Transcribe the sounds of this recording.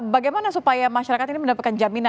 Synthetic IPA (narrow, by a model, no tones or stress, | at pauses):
baɡajmanasupajamaʃaɾakat̪iniməndapat̪̚kand͡ʒamina